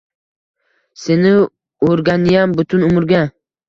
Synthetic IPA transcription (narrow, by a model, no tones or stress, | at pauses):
senɪ | oɾɡʲanjambʊt̪ʰʊnʊmɪɾɡʲa